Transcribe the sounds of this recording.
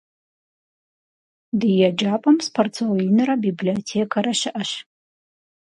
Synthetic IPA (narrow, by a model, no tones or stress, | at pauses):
dɨjad͡ʒaːpʼɐmspʰort͡sʰojinɨɾɐbibliotʰekʰaɾaʃɪʔɐʃ